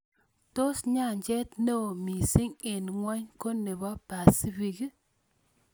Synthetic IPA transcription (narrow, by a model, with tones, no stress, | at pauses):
to˦sɲa˦˨ɲd͡ʒɛ˦tne˦o˨mi˨si˦ŋe˨n˨ŋwa˦ɲko˦ne˨bɔ˦pa˨si˦bi˨ɡi˦